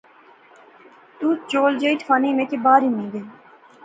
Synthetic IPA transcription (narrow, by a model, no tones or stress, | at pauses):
t̪uːt͡ʃoːld͡ʒeːiʈʰfʰaːniːmẽːkebaːɾimĩːɡeː